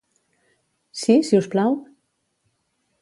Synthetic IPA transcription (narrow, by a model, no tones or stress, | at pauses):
sisiusplaw